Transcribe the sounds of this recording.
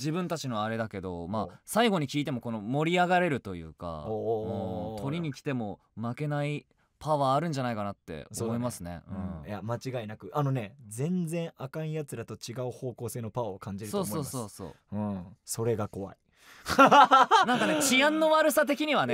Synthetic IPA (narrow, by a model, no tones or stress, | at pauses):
d͡ʑibɯ̟̃nt̪at͡ɕinoβːɾe̞d̪ake̞d̪o̞̰masaiɡo̞ɲ̟ikʲiːt̪̬e̞mo̞ko̞no̞mo̞ɾʲiaɡaɾe̞ɾɯ̟t̪o̞jɯ̟̰ːka̰omot̪ʰo̞ɾʲiɲ̟ikʲi̥t̪e̞mo̞ | make̞nai | paβaːɾɯ̟̃ɲ̟d͡ʑanaikanat̪ːe̞̰omo̞imasɨne̞̰ɯ̟̰̃jamat͡ɕiɡainakɯ̟ʔano̞ne̞d͡zẽ̞nd͡zẽ̞ɰ̃akãɰĩjat͡sɨɾat̪o̞t͡ɕiɡaɯho̞ːko̞ːse̞ːnopaokãɲ̟d͡ʑiɾɯ̟so̞ːsmo̞ːso̞ːso̞̰ːɯ̟̃so̞ɾe̞ɡako̞βa̰i | nãŋkanet͡ɕiãnːo̞βaɾɯ̟sat̪e̞kʲiɲ̟iβane